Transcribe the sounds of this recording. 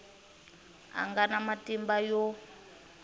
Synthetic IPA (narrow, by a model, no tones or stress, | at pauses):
a̰ŋɡanamatimbajɔ